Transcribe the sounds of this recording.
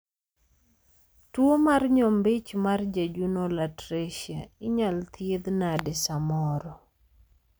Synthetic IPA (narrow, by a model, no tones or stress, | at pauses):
twomarɲɔmbɪt͡ʃmard͡ʒad͡ʒunolatɾeʃiaɪɲalt̪jed̪nadɛsamɔɾɔ